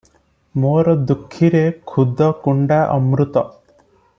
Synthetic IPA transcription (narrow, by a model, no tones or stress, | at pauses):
moɾɔd̪ukʰːiɾekʰud̪ʱɔkuɳɖaʔɔ̰mɾut̪ɔ